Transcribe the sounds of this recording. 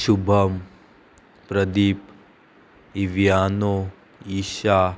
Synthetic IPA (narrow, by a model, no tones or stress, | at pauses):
ʃubʱɐm | pɾɐd̪iːp | iʋjaːno | iːʃaː